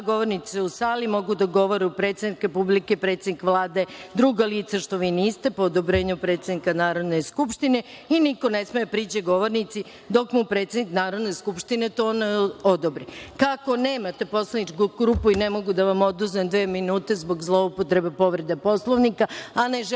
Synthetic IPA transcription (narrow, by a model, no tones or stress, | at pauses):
ɡo̞ʋoɾniseusaːlimo̞ɡud̪aɡo̞ʋo̞ɾeupɾe̞t̪sʲed̪nikɾepublikepɾet̪sed̪nikʋlˠaːd̪e̞d̪ɾuːɡaliːt̪saʃt̪o̞ʋiːniːst̪e̞pood̪obɾeːɲupɾe̞ːt̪sed̪nikanaːɾo̞d̪neskupʃt̪ine̞iniko̞nesmejepɾiːt͡ɕeɡo̞ʋo̞ɾnit̪si | d̪o̞kmupɾe̞t̪sʲed̪niknaːɾo̞d̪ne̞skupʃt̪ine̞t̪oonaod̪obɾikako̞neːmat̪e̞po̞slanit͡ʃkɡɾupuinemo̞ɡud̪aʋamo̞d̪uznemd̪ʋeːminuːt̪e̞zbo̞ɡzlˠo̞upot̪ɾe̞bepo̞ʋɾe̞d̪epo̞slˠoʋnikaaneʒ